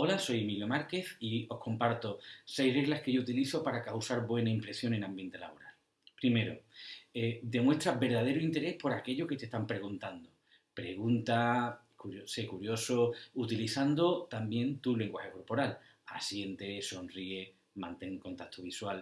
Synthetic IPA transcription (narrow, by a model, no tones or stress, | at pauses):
o̞laso̞je̞miljo̞maɾke̞θio̞hko̞mpaɾt̪ose̞jre̞ɣlahke̞ʝout̪iliθo̞paɾakawsaɾβwe̞naimpɾe̞sjo̞ŋẽ̞nãmbje̞nt̪e̞la̰βo̞ɾal | pɾime̞ɾo̰ed̪e̞mwe̞st̪ɾabe̞ɾðað̞e̞ɾoint̪e̞ɾe̞hpo̞ɾake̞ʎo̞ke̞t̪e̞st̪ampɾe̞ɣ̞unt̪and̪o | pɾe̞ɣ̞unt̪a | kuɾjosekuɾjo̞sout̪iliθand̪o̞t̪ambje̞nt̪ule̞ŋɡwaxe̞ko̞ɾpo̞ɾal | a̰sje̞nt̪e̞so̞nrie | mãnt̪e̞ŋko̞nt̪akt̪ʰoβ̞iswal